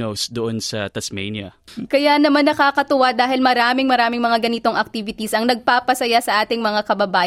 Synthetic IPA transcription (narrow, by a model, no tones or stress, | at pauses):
owsd̪oʔonsɐt̪ɐsmḛjnjɐ̰ | kɐjanɐmanːɐkaːkɐt̪ʊwad̪aːhɪlmɐɾaːmɪŋmɐɾaːmɪŋmɐŋaɡɐnit̪o̞ŋʔɐk̚t̪iːvɪt̪isʔɐŋnɐɡ̚paːpɐsɐjasɐʔaːt̪ɪŋmɐŋakɐbɐbaː